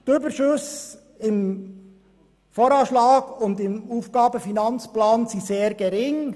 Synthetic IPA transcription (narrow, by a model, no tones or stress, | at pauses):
tybəʃʊs | ɪm | foːɾɑʃlɑːɡʊndɪmuːfɡ̥ɑːbəfinɑnt͡splɑːnsiseːɾɡ̥ɛɾɪŋ